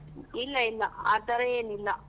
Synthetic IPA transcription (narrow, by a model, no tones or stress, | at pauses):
ilːɐilːɐat̪ɐɾɐjenilːɐ